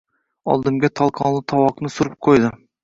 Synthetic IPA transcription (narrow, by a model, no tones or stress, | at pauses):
ɒ̰lˠd̪ɨmɡʲat̪ʰɒlˠqʰɑnlˠɨt̪ʰɑwɑqnɨsʊɾɨp̚qʰojd̪ɪ